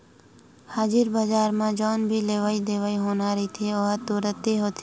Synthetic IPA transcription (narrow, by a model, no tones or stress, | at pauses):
haːd͡ʒɪɾbaːd͡ʒaːɾmãd͡ʒɔːnbʱileːʋaːid̪eːʋaːiɦoːnaːɾɐit̪ʰioːɦt̪uːɾət̪ːiɦoːt̪ʰi